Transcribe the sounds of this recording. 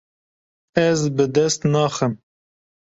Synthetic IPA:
ɛzbɨd̪ɛst̪nɑːxəm

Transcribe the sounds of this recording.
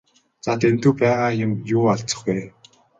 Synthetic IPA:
t͡sat̪en̥t̪ŭːpæːʁaːjʊmjuːaɮt͡st͡sɞ̆χɡeː

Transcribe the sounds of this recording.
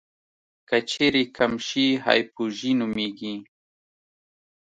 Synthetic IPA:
kat͡ʃeɾikʰamʃiha̰jpʊʒinʊmiɡi

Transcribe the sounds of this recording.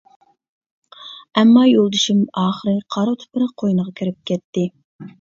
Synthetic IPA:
ɛmːɑjolˠd̪ɨʃimɑːχəɾɨqʰɑɾt̪ʰʊ̥pɨɾɨqʰojnəʁɑkʲʰiɾɪp̚kʲʰɛt̪ːɪ

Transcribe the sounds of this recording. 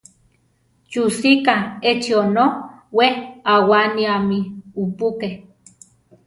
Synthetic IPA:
t͡ʃusikaet͡ʃionowehawaniamiupukeh

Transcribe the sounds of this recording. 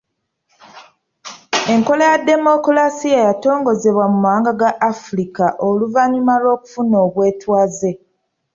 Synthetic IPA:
e̞ŋko̞lejadːe̞mo̞kulasijejato̞ːŋɡo̞ze̞βwamumaaːŋɡaɡaʔːfuɾikaʔoluvaɲumalo̞ːku̥funo̞ːβwe̞ːtwaːze̞

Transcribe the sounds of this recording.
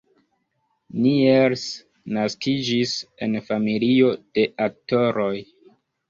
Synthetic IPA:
nieɾs | naskid͡ʒise̞nfamilio̞d̥e̞ʔak̚to̞ɾo̞j

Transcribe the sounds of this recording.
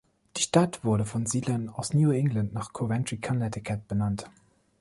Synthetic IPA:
d̥iːʃtatv̥ʊɐɾəfɔnziːdlɐnaʊsnjuːɪŋɡlantnaːχkʰovɛntʁ̥ikʰanɛtɪkʰɛp̚b̥ənant

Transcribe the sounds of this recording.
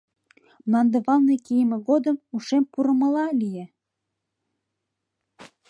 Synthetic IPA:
mnɑnd̪əβɑlnekijmĕɣod̪əmuʃempuɾə̆mə̆lɑlije

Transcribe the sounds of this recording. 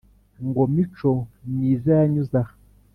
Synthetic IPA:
ŋɡomit͡ʃomizaaɲuza

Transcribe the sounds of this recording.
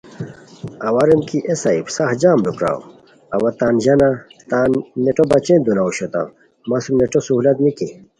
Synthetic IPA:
ɐwaɾemkiʔesaibsahd͡ʑaːmlukɾa̰ːw̰ | ɐwɐt̪aːnʑɐnat̪aːnːeʈobɐt͡ɕend̪unauɕot̪ã̰ | masumneʈosuɦulɐt̪miki

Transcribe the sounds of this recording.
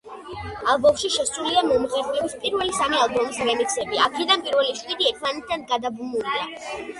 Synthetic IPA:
alˠbɔmʃiʃɛsʼuliamɔmʁɛɾvɛbispʼiɾvɛlisamialˠbɔmisɾɛmik̪sɛbiakʰɛd̪anpʼiɾvɛliʃʼwid̪iɛt̪ʰmanɛt̪̚ʰt̪ʰanɡad̪abumuɾia

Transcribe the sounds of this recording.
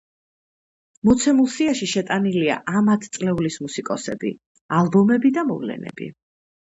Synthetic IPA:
mɔt̪sʰɛmulˠsiaʃiʃɛt̪ʼanilia̰ʔamat̪ʰt̪sʼlɛulismusikʼɔsɛbḭ | alˠbɔmɛbid̪amɔvlɛ̰nɛ̰bḭ

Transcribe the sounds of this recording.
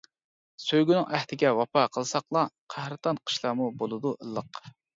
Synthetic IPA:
søjɡʲynɪŋʔæht̪ʰɪɡʲɛwɑpɑqʰəlˠsɑqlˠɑqʰæhɾɨt̪ɑnqʰə̥ʃlˠɑːmubolˠɨd̪uʔəlˠːəq

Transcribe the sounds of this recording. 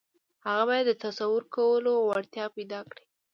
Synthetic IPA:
haɣabɑjad̪ːət̪asawəɾkawəloawaɽt̪jɑpajd̪ɑkɽi̥

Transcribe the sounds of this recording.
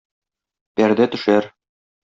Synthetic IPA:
pæɾd̪æt̪ɵ̆ʃæɾ

